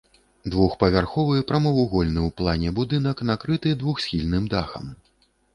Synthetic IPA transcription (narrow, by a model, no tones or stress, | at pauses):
d̪vuxpɐvʲarxɔvɨpɾɐmɐvuɣɔlʲnɨwplˠanʲɛbud̪ɨnɐknakɾɨt̪ɨd̪vuxsʲxʲilʲnɨmd̪axɐ̰m